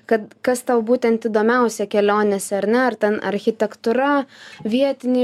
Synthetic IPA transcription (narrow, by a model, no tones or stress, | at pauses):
kɐt̪kɐst̪ɐʊbuːt̪ʲɛnt̪iːd̪oːmʲɛʊsʲɛkʲɛlʲoːnʲesʲɛɐɾʲnʲɛɐɾt̪ʲɛnɐ̰ɾʲxʲɪt̪ʲɛkt̪ʊɾɐʋʲiɛt̪ʲɪnʲiː